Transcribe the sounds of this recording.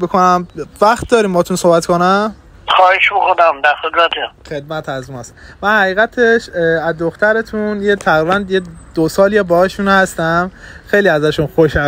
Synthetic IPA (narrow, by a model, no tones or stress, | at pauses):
bekʰonæmvæxt̪̚d̪ɒːɾiːmbɒːt̪unsohbæt̪kʰonæm | xɒːheʃbexonæmd̪æsed̪ɾæt̪ʰixe̞d̪̚mæt̪ʰæzmɒst̪mænhæɣiːɣæt̪ʰeʃæzd̪oxt̪æɾe̞t̪ʰunjet̪ʰæɣɾibænjed̪̥osɒːliebɒɒʃunhæst̪æmxejliæzæʃunxoʃæ